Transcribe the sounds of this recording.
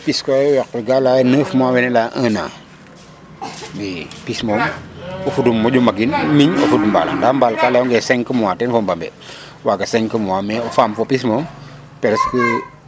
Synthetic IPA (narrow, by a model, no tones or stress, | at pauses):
piskɔwɛkiɡalanəːfmawɛnɛlaʔəna̰ | mipismɔːmɔfudumːɔɟumɐɡinmiɲɔfudumba̰ːla̰ŋdambalkalːɛɔŋɡɛsɛŋkəmuwaːtɛnfɔmbɐmbɛ̰ | waɡɐsɛŋkəmuwamɛɔfaːmfɔpismɔːm | pɛɾskə